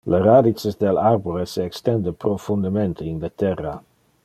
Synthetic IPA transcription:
laɾad̪isəsd̪elaɾbuɾəsɛkst̪ɛnd̪əpɾofund̪əmɛnt̪ʰəindət̪ɛra

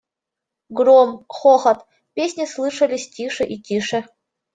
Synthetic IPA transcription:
ɡɾomχoxət̪ | pʲesʲnʲɪslˠɨʂəlʲɪsʲtʲiʂɨʔitʲiʂɨ

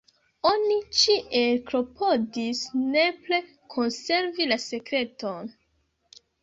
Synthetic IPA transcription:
o̞nit͡ʃiʔe̞lpɾo̞pʰo̞disne̞ple̞ | kʰo̞nse̞ɾvilase̞kɾe̞ton

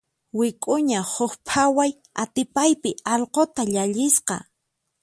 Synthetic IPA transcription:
wɪkʼʊɲahʊxpʰawaj | at̪ɪpajpɪɑʎqot̪aʎaʎɪsqɑ̰

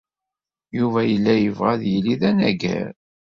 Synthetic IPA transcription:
juvæjəlːæjəvʁæðjəliðænæɡæ̰ɾ

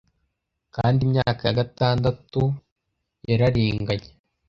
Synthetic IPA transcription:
kaːndimɲaːkajaɡataːndatu | jeɾaɾiːŋɡaɲe

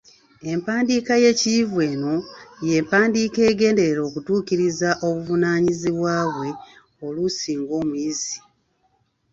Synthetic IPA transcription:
e̞mpaːndikaje̞civwe̞ːno̞je̞ːmpaːndiːke̞ːɡe̞ːnde̞ɾeɾo̞ːkutuːciɾizaʔo̞βuvunaːɲiziβwaːβwe̞ | o̞lusiːŋɡo̞ːmujizi̥

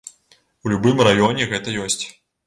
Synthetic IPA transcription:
ulʲubɨmrajɔnʲɛɣɛt̪ɐjɔsʲt͡sʲ

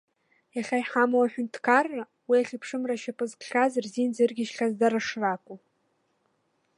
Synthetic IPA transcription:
jaχʲajħamawaħᶣʊntʰkʰarːa | wiaχʲɪpʰʂɨmraʃapʼɨzkʰʼχʲazrzind͡zɨrɡʲɪʃχʲazdaɾaʂrakʷʼu

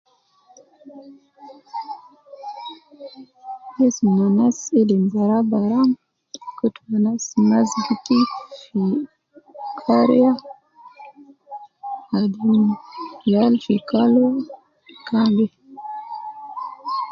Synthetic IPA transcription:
esunanasilimbaɾabaɾam | kutumanasimazɡitifi | kʰaɾia | adimjalfikalo | kʰambe

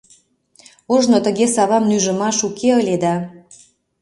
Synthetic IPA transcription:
oʒnot̪ə̆ɣesɑβɑmnyʒə̆mɑʃukʰeəlʲed̪ɑ

